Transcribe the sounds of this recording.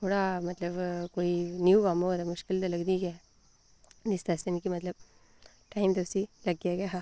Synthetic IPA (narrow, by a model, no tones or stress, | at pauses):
kuːɽamɐt̪lɐbkoːjinjuːʋaːmoɐd̪ɐmuʂkild̪ɐlɐɡd̪iɡe | nist̪ɐst̪enikimɐt̪lɐb̚ | ʈɐjmd̪ɐsilɐɡjaːɡeɦa